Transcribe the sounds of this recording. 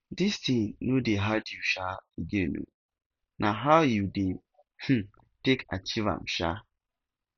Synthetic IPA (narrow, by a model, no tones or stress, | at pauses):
distʰĩnːũdeɦadiuɕaid͡ʒenṵ̃ | nʔãɦawjudĩn | h̩ | tʰekʰa̰t͡ɕʰivã̰mɕa̰